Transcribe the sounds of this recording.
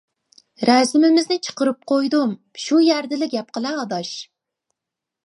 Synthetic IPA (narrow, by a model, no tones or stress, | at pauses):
ɾɛzɪmɪmɪznɪt͡ʃʰə̥qəɾɨp̚qʰojd̪um | ʃujæɾd̪ɪlɪɡʲɛp̚qəlˠɛɑd̪ɑʃ